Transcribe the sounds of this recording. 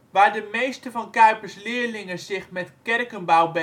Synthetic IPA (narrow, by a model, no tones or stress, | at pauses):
ʋaːɹdəmejstəvɔnkœɥpəslɪərlɪŋəzɪxmɛtkɛrkənbawbə